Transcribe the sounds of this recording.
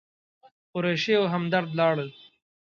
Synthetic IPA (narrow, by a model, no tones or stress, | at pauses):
ʊɾeʃeoɦamd̪aɾd̪lɑːɽəl